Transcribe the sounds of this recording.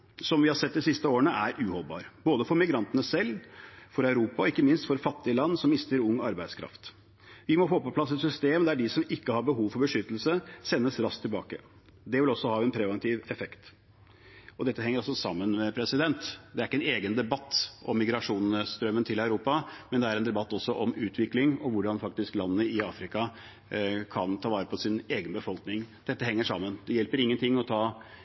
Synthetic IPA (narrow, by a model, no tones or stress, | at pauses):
sɔmʋɪhɑɾsɛt̪̚ːd̪ɪsɪst̪əoːəɳəʔæɾʔʉːhɔlbɑ̰ːɾboːd̪əfɔɾmɪɡɾɑnt̪ənəsɛlːfɔɾɑʉɾuːpɑɔɪkːəmɪnst̪fɔɾfɑt̪ːɪəlɑnːsɔmːɪst̪əɾʊŋːɑɾbæɪd̪skʰɾɑ̰ft̪ | ʋɪmɔfoːpɔpʰlɑsɛt̪sʏst̪eːmd̪æɖɪsɔmɪkːəhɑɾbəɦuːʋfɔɾbəʂʏt̪ːəl̩səsɛnːəsɾɑskt̪ʰːɪlbɑ̰ːkə̰ | d̪ɛʋɪlɔsːɔhɑːɛnpʰɾɛʋɛnt̪ʰiːʋɛfɛkt̪ | ɔd̪ɛt̪ːəɦɛŋəɾɑlsɔsɑmːənmɛpʰɾɛsɪd̪ɛnt̪d̪ɛæɾɪkːəɛneːɡənd̪ɛbɑt̪ːʔɔmːɪɡɾɑʂuːnst̪ɾœmːənt̪ʰɪlɑʉɾuːpɑmɛnd̪ɛæɾɛnd̪ɛbɑt̪ːɔsːɔʔɔmʉːt̪ʰʋɪklɪŋɔʋʊɖɑnfɑk̚t̪ɪsklɑnːəːəɪɑːfɾɪkɑ | kʰɑnt̪ʰɑːʋɑːɾəpʰɔsɪneːɡənbəfɔlknɪŋd̪̥ɛt̪ːəɦɛŋːəʂɑmːənd̪ɛjɛlpəɾɪŋːənt̪ʰɪŋːɔt̪ʰɑː